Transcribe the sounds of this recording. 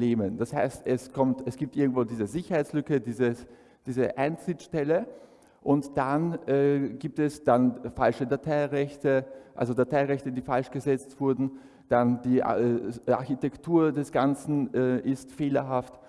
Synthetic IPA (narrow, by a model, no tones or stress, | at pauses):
leːmənd̥ashaɪstɛskʰɔmtɛsɡ̥iːp̚tʔɪɐɡŋ̩tv̥oːdiːzəzɪçɐhaɪt͡sslʏkədiːzəs | d̥iːzə̰ʔaɪnt͡sʁ̥ɪt͡sʃtɛlə | ʔʊntd̥anɛɡiːp̚tɛsd̥anfalʃədatʰaɪʁɛçtəʔa̰lzodatʰaɪʁɛçtədiːfalʃɡ̥əzɛt͡stv̥ʊɐdn̩ | d̥andiːʔʔa̰ɐçitɛktʰuːɐdɛsɡ̥ant͡sn̩ɛːʔɪstfeːlɐɦaft